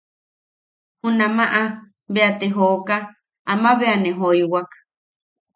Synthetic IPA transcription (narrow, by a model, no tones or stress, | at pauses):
hunãmaʔa | beat̪eɦoka | amaβeaneɦojwak